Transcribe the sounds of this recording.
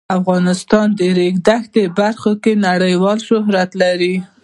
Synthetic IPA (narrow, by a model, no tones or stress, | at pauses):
afɣɑnɪst̪ɑnd̪əɾeɡd̪axt̪əbaɾxokenaɽəjwɑlʃʊɦɾat̪laɾi